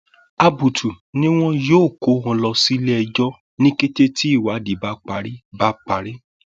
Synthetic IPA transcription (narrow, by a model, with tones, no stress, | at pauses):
a˧bu˨tu˨ | nĩ˦w̃ɔ̃˦joː˦˨ko˨˦hɔ̃˧lɔ˧si˦lɛ˦ɛ˧d͡ʒɔ˦ | nĩ˦ke˦te˦ti˦i˦˨wa˨˦di˨ba˧˦k͡pa˨˦ɾi˦ba˦k͡pa˨˦ɾi˦